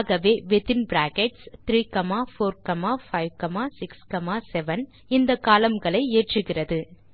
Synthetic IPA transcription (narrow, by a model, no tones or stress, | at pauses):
ɣɐʋeːʋɛðɪnbɪɾaːkɛʈst̪ɪɾiːkɐmaːfoːɾkɐmaːfɐɪʋkɐmaːsɪkskɐmaːsɛʋɐn | ɪnd̪ɐkːaːlɐmɡɐɭɐɪeːʈrɯɣɪrɐðɯ